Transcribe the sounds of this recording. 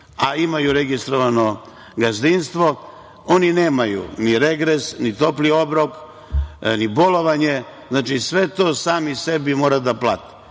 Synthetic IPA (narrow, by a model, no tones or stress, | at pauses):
aimajuɾe̞ɡist̪ɾoʋano̞ | ɡazd̪inst̪ʋo̞ | o̞nine̞ːmajṵniɾe̞ɡɾesnit̪o̞plio̞bɾo̞k | nibo̞lo̞ʋaɲe | znaːt͡ʃisʋe̞t̪oːsaːmise̞bimo̞ːɾad̪apla̰t̪i̥